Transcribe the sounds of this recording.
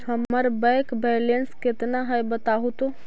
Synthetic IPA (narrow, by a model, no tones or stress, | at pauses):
həməɾbɛ̃ɪkbɛlensket̪naɦəjbət̪aɦut̪o